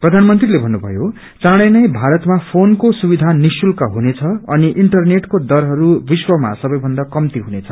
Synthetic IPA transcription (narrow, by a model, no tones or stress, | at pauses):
prʌd̪ʱanmʌnt̪rilebʱʌnːubʱʌ̰jo | t͡sãɽ̃ʌnʌjbʱaɾʌt̪mapʰonkosubid̪ʱanisulkʌɦunet͡sʰʌʌniʔiɳʈʌrneʈkod̪ʌɾɦʌɾubiswʌma̰sʌbʌjbʱʌnd̪akʌmt̪iɦunet͡sʰʌ